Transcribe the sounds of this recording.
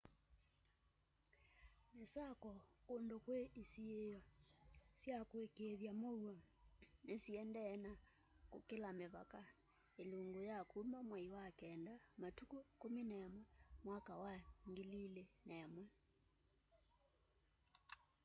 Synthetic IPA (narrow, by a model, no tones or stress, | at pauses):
mesakɔkondokweʔisiejɔsjakwekeðjamoua | nesiɛndɛna | kokelameβaka | eloŋɡojakumamwaiwakɛndamatukokominajamwɛmwakawaŋɡelilenaamwɛ